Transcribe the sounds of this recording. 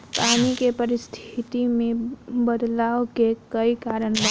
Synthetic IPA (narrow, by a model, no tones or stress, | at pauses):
panikepəɾist̪ʰit̪imẽbəd̪laokekəikaɾən